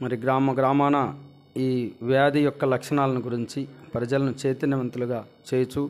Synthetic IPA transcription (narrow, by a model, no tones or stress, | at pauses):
mɐɾiɡɾaːmɐɡɾaːmaːnɐ | iːʋjaːd̪ijɔkːɐlɐkʂɐɳaːlɐniɡuɾiɲt͡ʃipɾɐd͡ʒɐlɐnut͡ʃe̞ːt̪inɐʋɐnt̪uluɡaːt͡ʃeːjt͡ʃu